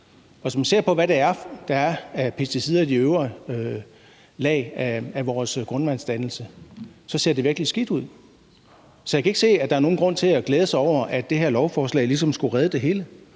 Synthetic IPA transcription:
ɒ̽sɒmænse̝ɐ̰pʰɒ̽ʋæɾ̥eæɐd̥ɑ̈æɐæpʰe̝sd̥isið̰ˠæd̥iøʊʁɐ | lɛ̰ːɪæʋɒːsɡ̥ʁɔ̽nʋænsd̥ænl̩səsɒ̽se̝ɐd̥e̝ʋiɐɡ̥lisɡ̥id̥uð̞̰ˠ | sɒ̽jakʰæe̝ɡ̥se̝̰ːæd̥ɑ̈æɐno̝ːn̩ɡʁɔ̽n̰t͡sʰe̝læɡ̥leːð̞ˠəsɑɪɒʊ̰ɐʔæd̥e̝ɦeɐ̰lɒʊfɒːslɛ̰ːɪlis̬ɒ̽msɡ̥uʁɛðˠəd̥e̝ɦe̝ːlə

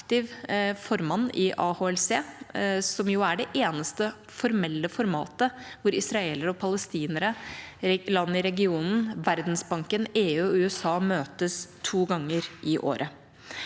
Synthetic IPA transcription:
kt̪ɪʋfɔɾmɑnːɪʔɑːhoːɛlseːsɔmjʊæɖɛʔeːnəst̪ə | fɔɾmɛlːəfɔɾmɑ̰ːt̪əʋʊɾɪsɾɑeːləɾəɔpʰɑləst̪iːnəɾə | lɑnːəɪɾɛɡɪuːnn̩ʋæɾd̪nsbɑŋkəneːʉːɔʉːɛsɑːmøːt̪əst̪ʰuːɡɑŋːəɾʔɪʔo̰ːɾʔə

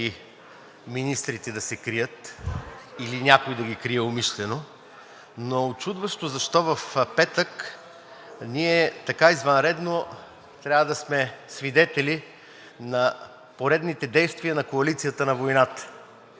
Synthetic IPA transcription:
i | minist̪ɾit̪ɛd̪ɐsɛkɾijət̪ | ilinʲakojd̪ɐɡʲikɾiɛomiʃlɛno | not͡ʃud̪vəʃt̪ozɐʃt̪ɔvɐfpɛt̪ək | niɛt̪ɐkaizvɐnɾɛd̪no | t̪ɾʲavəd̪ɐsmɛsvid̪ɛt̪ɛli | nɐ | poɾɛd̪nit̪ɛd̪ɛjst̪viɐnɐkoɐlit̪sijət̪ənɐvojnat̪ə̥

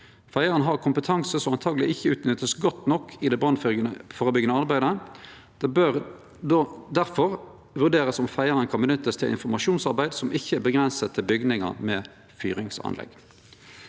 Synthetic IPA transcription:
fæɪəʁənɦɑːʁkʰʊmpət̪ʰɑŋsəsɔmɑnt̪ʰɑːɡlɪɪçːəʉːt̪nʏt̪ːəsɡɔt̪ːnɔkʰːɪd̪ɛbʁɑnffoːʁəbʏɡənəɑʁbæɪd̪ə | d̪̥ɛbøːʁ | d̪oːd̪æʁfɔʁ | ʋʉʁd̪eːʁəsɔmfæɪəʁənkʰɑnbənʏt̪ːəst̪ʰɪlɪ̰nfɔmɑʃuːnsɑʁbæɪd̪sɔmʔɪçːəæbəɡʁɛnsət̪ʰɪlbʏɡnɪŋɑ̰ʁmɛː | fy̰ːʁɪŋsɑ̰nlɛ̰ɡ̥

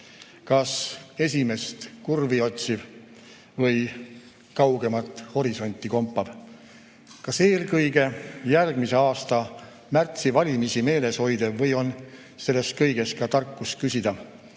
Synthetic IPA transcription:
kɑse̞s̬ʲime̞st̪kurvio̞t̪ʲsiv̥ | vɤj | kɑwɡ̥e̞mɑt̪ːˑho̞ɾiso̞nʲt̪ːˑiko̞mpːɑv̥ | kɑse̞ːlkɤjɡe̞jærɡ̥mise̞ɑːst̪ɑ | mært̪sivɑlʲimisime̞ːle̞sho̞jd̪̥evvɤjo̞n | se̞lːe̞skɤjɡ̥e̞skɑt̪ɑrkːˑust̪̚kysʲid̪̥ɑ

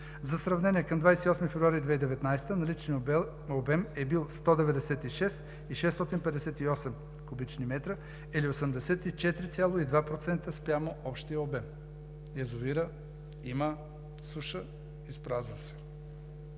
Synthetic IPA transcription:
zɐsɾɐvnɛnʲiɛkɐmd̪vajsɛt̪iɔsmifɛvɾuaɾid̪vɛid̪ɛvɛt̪najst̪ənɐlit͡ʃni | obɛmɛbilˠst̪ɔd̪ɛvɛd̪ɛsɛt̪iʃɛs | iʃɛst̪ɔt̪inpɛd̪ɛsɛt̪iɔsɛm | kubit͡ʃnimɛt̪ɾə | iliosəmd̪ɛsɛt̪it͡ʃɛt̪ɾit̪sʲjalˠoid̪vapɾot̪sɛnt̪əspɾʲjamoʔɔpʃt̪ijəobɛm | ɛzoiɾə | imə | suʃə | ispɾazvəsɛ̥

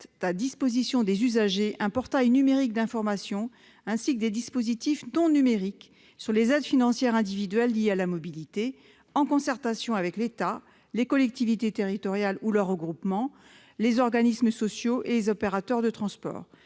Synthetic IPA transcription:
ad̪ispozisjɔ̃d̪ezyzaʒeʔɛ̃pɔʁt̪ajnymeʁik̚d̪ɛ̃fɔʁmasjɔ̃ | ɛ̃sikd̪ed̪ispozit̪ifnɔ̃nymeʁik | syʁlezɛd̪finɑ̃sjɛʁɛ̃d̪ivid̪ɥɛlːijealamɔbilit̪e | ɑ̃kɔ̃sɛʁt̪asjɔ̃avɛklet̪a | lekɔlɛk̚t̪ivit̪et̪eʁit̪ɔʁjalulœʁːəɡʁupmɑ̃ | lezɔʁɡanisməsɔsjoʔelezɔpeʁat̪œʁd̪ət̪χɑ̃spɔ̰ːʁ

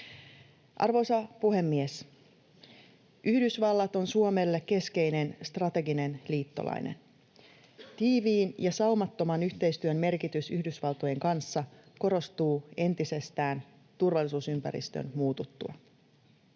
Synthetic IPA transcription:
ʔɑ̰rʋo̞sɑpuɦe̞mːies | yhdysʋɑlːɑt̪o̞nsuome̞lːekkːe̞ske̞jne̞nst̪rɑt̪e̞ɡine̞nliːt̪ːo̞̰lʔɑ̰jnḛn | t̪iːʋiːnjɑsɑumɑt̪ːo̞mɑnyçt̪e̞jst̪yømme̞rkit̪ysyhdysʋɑlt̪o̞je̞ŋkɑnsːɑ | ko̞ɾo̞st̪uːe̞nt̪ise̞st̪æːn | t̪urʋɑlːˑisuːsympæ̰ɾḭst̪ø̰nmuːt̪ut̪ːuɑ̰

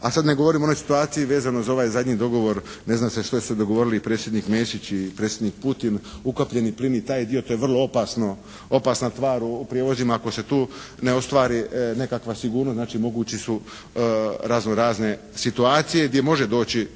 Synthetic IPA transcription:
asad̪ne̞ɡo̞ʋoɾimono̞jsi̥t̪uaːt̪sijiʋe̞ːzano̞zao̞ʋaːjzad̪ɲid̪o̞ɡo̞ʋo̞ɾne̞znaːmseʃt̪oesu̥sed̪o̞ɡoʋo̞ɾiliipɾet̪sjed̪niːkmesit͡ɕipɾe̞ːt̪sʲjed̪niːk̚put̪inukopʎe̞niplinit̪aːjd̪ijot̪o̞ːje̞ʋr̩lˠoopasno | o̞pasnast̪ʋaːɾuːpɾijeʋo̞zimaako̞se̞t̪uː | ne̞o̞st̪ʋaːɾine̞kakʋasiɡuːɾnost̪naːt͡ʃimo̞ɡuːt͡ɕisu | ɾazno̞ɾaːzne̞ | sit̪uaːt̪sijeɡd̪je̞mo̞ʒed̪o̞ːt͡ɕi

